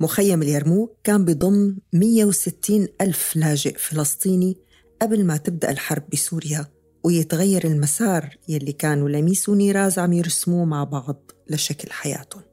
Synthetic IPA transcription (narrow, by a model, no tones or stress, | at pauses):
mʊxajːamɪljɑɾˤmuːkaːmbɨd̪ˤʊmːmɪjːawsɪt̪ʰːiːnʔalflaːʒɪʔfɪlɑsˤt̪ˤiːni | ʔablmat̪ɪb̚d̪a̰ʔɪlħɑɾˤb̚ːɪsuːɾja | wɪjɪt̪ɣajːɑɾˤɪlmasɑːɾˤjalːikaːnulamiːsuniːɾˤɑːzʕamjɪɾsmuːmaʕbɑʕd̪ˤlaʃaklħaja̰ːt̪ʊ